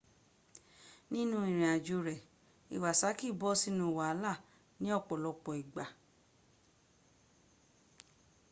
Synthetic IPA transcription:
nĩ˦nũ˦ĩ˨ɾ̃ĩ˨a˨d͡ʒo˧ɾɛ˨ | ḭ˨wa˨sa˨˦ki˦˨bɔ˦si˦nũ˧˨wa˨a˦la˦˨ | nĩ˦ɔ˦˨k͡pɔ˨lɔ˧k͡pɔ˨i˨ɡ͡ba˨

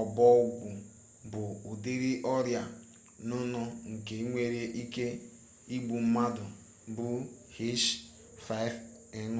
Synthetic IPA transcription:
ɔ˨bɔ˦u˦ɡʷu˨ | bʊ˨u˨de˦ɾi˦ʔɔ˦ɾja˨ | nʊ˦nʊ˦ŋ̩˨ke˨˦ŋʷe˦ɾe˦ʔi˦ke˦ | i˦ɡ͡bu˨m̩˦ma˦dʊ˨ | bʊ˦ | hi˦ʃ | fa˦i˦v | e˨n˦

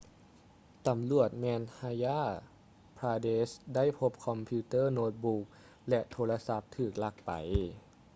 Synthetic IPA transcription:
t̪a˨˦mlu˨˩ət̪̚mɛː˧nhaː˧jaː˥˩ | pʰɾaː˧deː˧˥sda˥˩jpʰo˧p̚kʰɔ˧mpʰiː˧t̪ɤː˥˩noː˧˥t̪̚buː˧˥k̚ | lɛ˧t̪ʰoː˧la˧sa˧˦p̚t̪ʰɯː˨˩k̚la˧˩k̚pa̰˨˩j

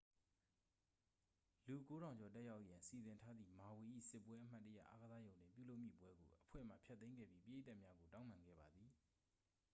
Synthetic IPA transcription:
lu˨ko˦ɾã˨ʊ̃ɲd͡ʑɔ˨t̬ɛ˦ʔja˦ʊʔjã˨nsi˨zɪ̃˨ntʰa˦d̪ðḭ˦˨ma˨we˨ʔḭ˦˨sɪ˦pːwɛ˦ʔəm̥a˦tːə˦ja̰˦˨ʔa˦ɡə˨za˦jõ˨ʊ̃ndɪ̰̃˦˨mpjṵ˦˨lo˦ʊʔmjḭ˦˨pwɛ˦ɡo̰˨ʔəpʰwɛ̰˦˨m̥ä̰˦˨pʰjɛ˦t̪ːẽ˦ŋɡɛ̰˦˨bji˦pi˦˨e˦ta˦ʔmja˦ɡo˨tã˦ʊ̃mã˨ŋɡɛ̰˦˨ba˨d̪ði˨

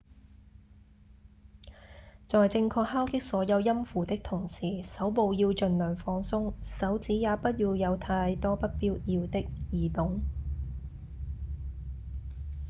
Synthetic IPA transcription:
t͡sɔː˨jt͡sɪ˧ŋkʰɔː˧k̚haː˥wkɪ˥k̚sɔː˨˥jɐ˨˧wjɐ˥mfuː˨˩t̪ɪ˥k̚t̪ʰʊ˨˩ŋsiː˨˩sɐ˨˥wpo˨˧wjiː˧wt͡ʃɵ˨nlœː˨˩ŋfɔː˧ŋsʊ˥ŋsɐ˨˥wt͡siː˨˥jaː˨˧pɐ˥t̚jiː˧wjɐ˨˧wt̪ʰaː˧jt̪ɔː˥pɐ˥t̚piː˥wʔiː˧wt̪ɪ˥k̚jiː˨˩t̪ʊ˨˥ŋ

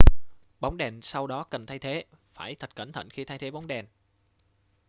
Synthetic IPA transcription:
ɓa˨˦wŋ͡mɗɛ˨˩nsa˧wɗɔ˨˦kə˨˩nt̪ʰa˧jt̪ʰe˨˦faː˧˩jt̪ʰə˨˩t̚kə˧˩nt̪ʰə̰˧˨nxi˧t̪ʰaː˧jt̪ʰe˨˦ɓa˨˦wŋ͡mɗɛ˨˩n

